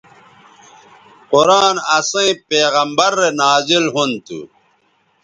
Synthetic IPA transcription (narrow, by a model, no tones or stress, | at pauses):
quɾaːnɐsẽĩpeːɣɐmbɐɾːenaːzilɦunt̪ṵ